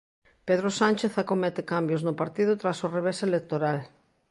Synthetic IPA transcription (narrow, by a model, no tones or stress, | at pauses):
peðɾosanʲt͡ʃeθakomet̪ekambjoznʊpaɾt̪iðʊt̪ɾasoreβ̞eselek̚t̪oɾal